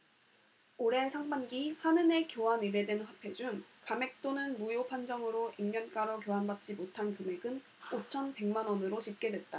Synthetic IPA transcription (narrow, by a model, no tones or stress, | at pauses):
oɾe̞sʰaŋbanɡihanɯne̞kjoɦaniɾe̞dwenɸapʰe̞d͡ʑuŋkame̞k̚t͈onɯnmujopʰand͡ʑʌŋɯɾoʔimɲʌnk͈aɾʌk̬joɦanbat̚t͡ɕ͈imotʰankɯme̞ɡɯn | ot͡ɕʰʌnpe̞ŋmanʌnɯɾot͡ɕip̚k͈e̞dwe̞t̚t͈a